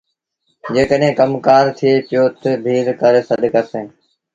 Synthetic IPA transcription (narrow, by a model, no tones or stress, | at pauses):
d͡ʒeːkəɗẽːkəmkaːɾt̪ʰieːpɪjoːt̪əbʱiːɾkəɾeːsəɗkəsẽː